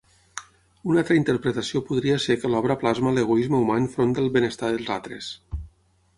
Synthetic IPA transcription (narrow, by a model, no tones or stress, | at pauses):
unalˠt̪ɾəint̪əɾpɾət̪əsiopuðɾiəsekəlɔβ̞ɾəplazmələɣ̞uizməumanfɾond̪əlˠβenəst̪aðəlˠzat̪ɾə̰s